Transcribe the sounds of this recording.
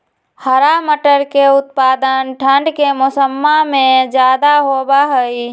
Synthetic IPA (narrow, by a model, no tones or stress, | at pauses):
həɾaməʈəɾkeʊt̪̚pad̪ənʈʰəɳɖkemosəmːamẽd͡ʒad̪aɦobaɦəj